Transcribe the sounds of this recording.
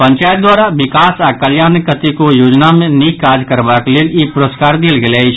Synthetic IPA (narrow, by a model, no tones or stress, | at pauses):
pə̃ɲt͡ʃaːjt̪̚d̪waːɾaʋɪkaːsakəljaːnkət̪ikojoːd͡ʒnamẽnikaːd͡ʒkəɾʋakeleːlepʊɾoːskaːɾd̪elɡeleit͡ʃʰ